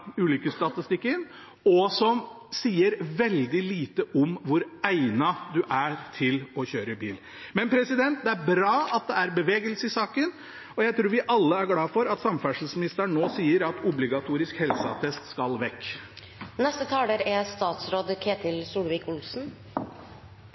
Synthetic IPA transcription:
ʉːlʏkəst̪ɑt̪ɪst̪ɪkːəɪn | ɔsɔm | siːəɾʋɛld̪ɪliːt̪əʔɔmʋʊɾæɪnɑd̪ʉʔæt̪ʰɪlɔçøːɾəbiːl | mɛnpʰɾɛsɪd̪ɛnt̪̚d̪ɛæɾbɾɑːɑt̪̚d̪ɛæɾbəʋeːɡəlsəɪsɑːkən | ɔjæɪt̪ʰɾuːɾʋɪʔɑlːəæɾɡlɑːfɔɾɑt̪sɑmfæʂəl̩smɪnɪst̪əɾɳɳoːsiːəɾɑt̪ʰʊblɪɡɑt̪ʰuːɾɪskhɛlsɑ̰t̪ʰɛst̪skɑlʋɛkː | nɛst̪ət̪ʰɑːləɾɛst̪ɑːt̪sɾoːd̪kʰeːt̪ʰɪlsuːlʋɪːkʊlsn̩

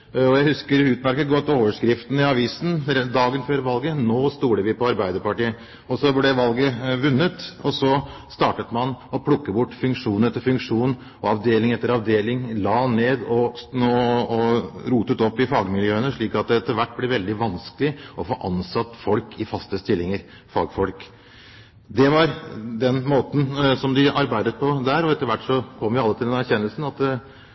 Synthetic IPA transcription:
ɔjæɪhʉskəɾʉːt̪mæɾkət̪̚ɡɔt̪ːoːʋəʂkɾɪft̪n̩ɪɑʋiːsn̩d̪ɑːɡənføːɾʋɑlɡənoːst̪uːɽəʋɪpʰɔɑɾbæɪd̪əɾpɑʈiːə | ɔsɔblɛʋɑlɡəʋʉnːət̪ɔsɔst̪ɑːʈət̪mɑnɔpʰlʊkːəbʊʈːfʉŋkʂuːnəɛt̪ʰɪfʉŋkʂuːn | ɔɑʋd̪eːlɪŋɛt̪ːəɾɑʋd̪eːlɪŋlɑːneːd̪ɔnoːɔɾuːt̪ət̪ɔpːɪfɑːɡmɪljøːənəʂɭiːkɑt̪̚d̪ɛɛt̪ːəɾʋæʈːblɛɾʋɛld̪ɪʋɑnskəlɪʔɔfoːʔɑnsɑt̪ːfɔlkʰɪfɑst̪əst̪ɪlːɪŋəɾ | fɑ̰ːɡfɔlk | d̪ɛʋɑɾd̪ɛnmoːt̪n̩sɔmd̪ɪɑɾbæɪd̪ət̪̚pʰɔd̪æːɾɔɛt̪ːəɾʋæʈːʂɔkʰɔmːʋɪɑlːət̪ʰɪld̪ɛnæɾçɛnːəlsn̩ɑt̪

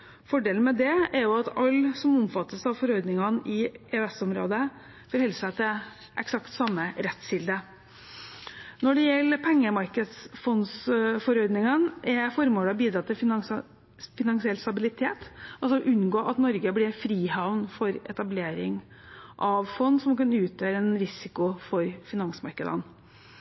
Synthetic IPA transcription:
fɔɖeːln̩mɛd̪ɛɛɾjʊɑt̪ʰɑlːsɔmɔmfɑt̪ːəsɑʋfɔɾɔʏd̪nɪŋɑnʔɪeøɛsɔmɾo̰ːd̪ə | fɔɾhɛlsət̪ɪl | ʔɛksɑkt̪sɑmːəɾɛt̪sɪld̪ə | nɔɖɛjɛlːəpʰɛŋːəmɑɾkəd̪sfɔnsfɔɾɔʏd̪nɪŋənʔɛfɔɾmoːlɑbiːd̪ɾɑt̪ːɪlf | fɪnɑnsɪɛlst̪ɑbɪlɪt̪ʰeːt̪ɑlsɔʔʉnɡoːʔɑt̪nɔɾɡəblɪɾfɾiːhɑʋnfɔɾɛ̰t̪ɑbleːɾɪŋ | ʔɑʋfɔnːsɔmkɑnʉːt̪ʰjøːɾəɛnɾɪsɪkʊfɔɾfɪnɑnsmɑ̰ɾkəd̪ə̰n

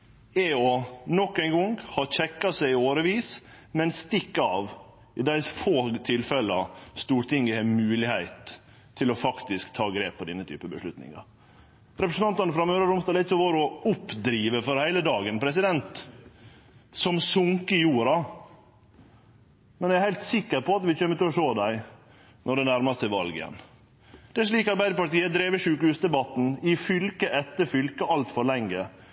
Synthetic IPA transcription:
ɛɔnɔkːæɪnɡɔŋhɑçɛkːɑsæɪoːɾəʋiːs | mɛnst̪ɪkːɑʋ | ɪd̪æɪfoːt̪ʰɪlfɛlɑst̪uːʈɪŋəhɛmʉːlɪhæɪt̪ʰː | ɪlɔfɑkt̪ɪskt̪ʰɑːɡɾeːpʰːɔd̪ɛnːət̪ʰy̰ːpəbəʂlʉt̪nɪ̰ŋɑ̰ | ɾɛpɾəsn̩ɑnt̪ɑnəfɾɑmøːɾəɾʊmst̪ɑːlɛɪt̪sɔʋoːɾɔʊpːd̪ɾiːʋəfɔɾhæɪləd̪ɑːɡənpʰɾɛsɪd̪ɛnt̪ | sɔmsʊŋkəjuːɾɑ | mɛnæɾhæɪlt̪sɪkːəɾpʰɔɑt̪ʋɪt͡ʃøːmːət̪ɪɔʂoːd̪æɪ | nɔɖɛnæɾmɑsɪʋɑlɡjɛ̰n | d̪̥ɛæʂ̬ɭiːkɑɾbæɪd̪əpɑʈiːəd̪ɾeːʋəʂʉːkəhʉːsd̪ɛbɑt̪n̩ɪfʏlkəʔɛt̪ːəɾfʏlkəɑlt̪fɔɾɭɛŋːə

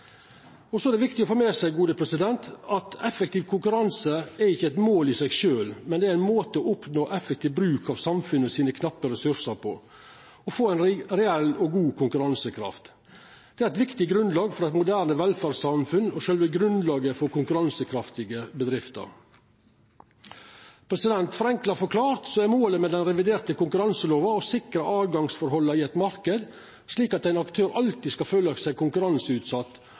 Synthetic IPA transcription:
ɔsɔæɖ̪ɛʋɪkt̪ɪɔfoːmeːsæɪɡuːd̪əpʰɾɛsɪd̪ɛnt̪ɑt̪ɛfɛkt̪iːʋkʰʊŋkʉɾɑnsəæɾɪçːəɛt̪moːlɪsɛɪɡʃøːlmɛnd̪ɛæɾæɪnmoːt̪əɔʊpnoːʔɛfɛkt̪iːʋbɾʉːkɑʋsɑmfʉnːəsiːnəkʰnɑpːəɾɛsʉɾʂəɾpʰɔ̰ | ɔfoːæɪnɾɛɛlːɔɡuːkʰʊŋkʉɾɑnsəkʰɾɑ̰ft̪ | d̪̥ɛæɾɛt̪ʋɪkt̪ɪɡɾʉnd̪lɑːɡfɔɾɛt̪mʊd̪æːɾnəʋɛlfæɾsɑmfʉnɔʃøːlʋəɡɾʉnd̪lɑːɡəfɔɾkʊŋkʉɾɑnsəkʰɾɑft̪ɪɡəbəd̪ɾɪft̪ə̰ɾ | pʰɾɛsɪd̪ɛnt̪fɔɾɛŋklɑɾfɔɾkʰlɑːɾt̪sɔːæmoːləmɛd̪ɛnɾɛʋɪd̪eːɾt̪əkʊŋkʉɾɑnsəloːʋɑɔsɪkɾəʔɑːʋɡɑŋsfɔɾɦɔlːəɪɛt̪mɑɾkəd̪ | sliːkɑt̪æɪnɑkt̪ʰøːɾʔɑlt̪ɪskɑføːləsæɪkʰʊŋkʉɾɑnsəʉːt̪sɑt̪ː

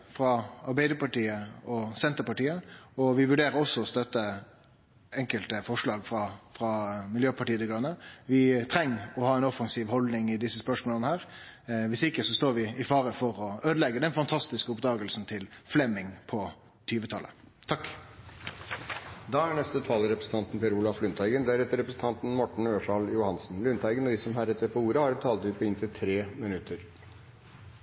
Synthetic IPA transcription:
fɾɑɑɾbæɪd̪əpɑʈiːəɔsɛnt̪əɾpɑʈiːəɔʋɪʋʉɖeːɾəɾɔsːɔɔst̪œt̪ə | ɛŋkəlt̪əfɔʂɭɑːɡfʁɑfɾɑmɪljøːpʰɑʈiːəd̪əɡɾʉnːəʋɪt̪ʰɾɛŋːɔhɑːɛnɔfɑŋsiːʋhɔld̪nɪŋɪd̪ɪsːəspœʂmoːlənəhæːɾ | ʋɪsɪkːəsɔst̪oːɾʋɪɪfɑːɾəfɔɾɔøːd̪əlɛɡːəd̪ɛnfɑnt̪ʰɑst̪ɪskəʊpd̪ɑːɡəlsn̩t̪ʰɪlflɛmːɪŋpʰɔ | t̪ʰyːʋət̪ʰɑ̰lʔə̰ | t̪ʰɑk | d̪ɑːæɳɛst̪ət̪ʰɑːləɾɛpɾəsn̩t̪ʰɑnt̪n̩pʰɛɾuːlɑflʉnt̪ʰæɪɡənd̪æɾɛt̪əɾɛpɾəsn̩t̪ʰɑnt̪n̩mɔʈɳ̩øːʂɑljʊhɑnsn̩lʉnt̪ʰæɪɡənɔd̪ɪsɔmhæɾɛt̪ːəɾfɔuːɾəhɑɾɛt̪t̪ʰɑːld̪yːpəɪnt̪ʰɪlt̪ʰɾeːmɪnʉt̪əɾ

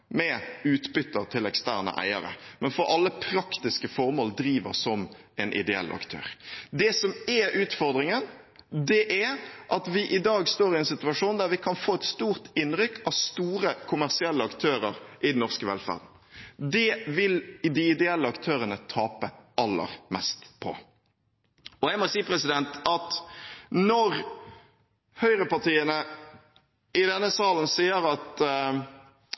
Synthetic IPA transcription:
mɛʉːt̪bʏt̪ːəʁt̪ʰɪlɛkst̪æ̰ːʁnə̰ʔæ̰ɪəɾə̰mɛnfɔɾʔɑlːəpʰɾɑkt̪ɪskəfɔɾmoːld̪ɾiːʋəsɔm | ɛnʔɪ̰d̪ɛɛ̰lʔɑ̰kt̪ʰø̰ːʁd̪ɛsɔmɛɾʉːt̪fɔʁd̪ɾɪŋən | d̪ɛʔæʔɑt̪ʋɪʔɪd̪ɑːɡst̪oːɾɪɛnsɪt̪ʉɑʂuːnd̪æɾʋɪkʰɑnfoːɛt̪st̪uːʁt̪ɪnːɾʏkːʰɑʋst̪uːɾəkʰʊmæʁsɪɛlːəɑkt̪ʰøːɾəɾʔɪd̪ɛn̩ːɔʁskəʋɛ̰lfæ̰ʁd̪n̩ | d̪ɛʋɪld̪ɪɪd̪ɛɛlːəɑkt̪ʰøːɾənət̪ʰɑːpəɑlːə̰ʁmɛ̰st̪pʰɔ̰ | ɔjɛɡmɔsiːpɾɛsɪd̪ɛnt̪ɑt̪ | nɔɾ | hœʏɾəpɑʈ̪ʰiːənə | ɪd̪ɛnːəsɑːlənsiːəɾɑt̪

